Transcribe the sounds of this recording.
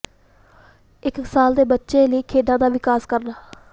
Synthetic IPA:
ɪksaːld̪eːbətːʃeːləiːkʰeːɖ̪ãːd̪aːʋɪkaːskəɾnaː

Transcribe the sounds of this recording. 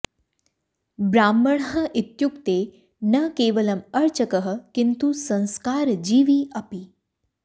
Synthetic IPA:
bɾaːmːəɳ̃ɦə̆ʔit̪jukt̪e | nɐkeːʋəlɐmɐɾt͡ʃəkəɦə̆kint̪usɐ̃nskaːɾd͡ʒiːʋiɐpi

